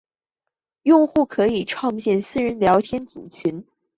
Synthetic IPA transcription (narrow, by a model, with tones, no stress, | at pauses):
jʊ˥˧ŋxu˥˩kʰɤ˧˥i˨˩ʈ͡ʂʰwɑ˥˧ŋɕjɛ˥˧nsɹ̩˥ɻə˧˥nljɑ˧˥ʊt̪ʰjɛ˥nt͡su˨˩t͡ɕʰy˧˥n